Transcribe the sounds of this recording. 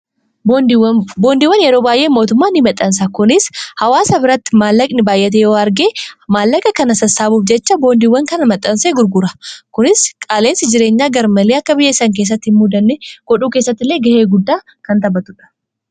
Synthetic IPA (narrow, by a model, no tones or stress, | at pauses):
wbo̞ːnd̪iːwːɐnjɛɾoːbaːjʔeːmːo̞ːt̪ʊmːaːnɪmɐt̪ʼːɐns̬ɐkʊnɪshɐwaːsɐbɪɾɐt̪ːɪ̥maːlːɐkʼnɪbaːjʔːɛt̪̬ejoːɐɾɡeːmaːlːɐkʼɐkɐnɐsɐsːaːbuːfd͡ʒɛt͡ʃːɐbo̞ːnd̪iwːɐŋkɐnɐmɐt̪ʼːɐnseːɡʊɾɡʊɾɐkʊnɪskʼaːleːnsɪd͡ʒɪɾeːɲːaːɡɐɾmɐleːɐkːɐbɪjɛsːɐŋk̬e̞ːs̬ːɐt̪ːhɪnmud̪ɐnːɛɡ̥ɔᶑuːke̞ːsːɐt̪ːɪlːe̞ːɡɐheːɡʊd̪ːaː | kɐnt̪ɐbɐt̪ʊᶑɐ̥